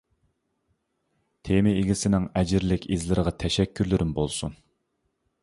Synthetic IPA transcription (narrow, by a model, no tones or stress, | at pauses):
t̪ʰemɪeɡʲisɪnɪŋɛd͡ʒɪɾlɪkʲizlɪɾɨʁɑt̪ʰɛʃɛkʲʰːyɾlɪɾɪmbolˠsun